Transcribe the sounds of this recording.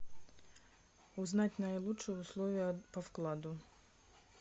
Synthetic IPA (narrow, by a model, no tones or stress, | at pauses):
uznatʲnɐjlˠutʂɨjuslˠɔvʲijɐpɐfklˠad̪ʊ